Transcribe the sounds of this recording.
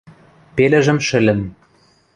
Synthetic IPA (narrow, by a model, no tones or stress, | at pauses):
pelɘ̆ʒɘ̆mʃɘ̆lʲɘ̆n